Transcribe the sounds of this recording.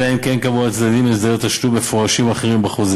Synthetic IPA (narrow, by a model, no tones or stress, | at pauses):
aemkenkavuat͡sd̪ad̪imezd̪ajo̞t̪aʃlume̞fo̞ʁaʃimaχeʁimbaχuz